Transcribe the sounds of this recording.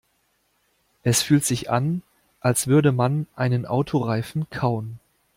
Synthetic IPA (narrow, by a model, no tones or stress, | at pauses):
ʔɛsfyːltz̥ɪçʔa̰n | ʔalsv̥ʏɐdəmanʔaɪnənʔa̰ʊtʰoʁaɪfn̩kʰaʊən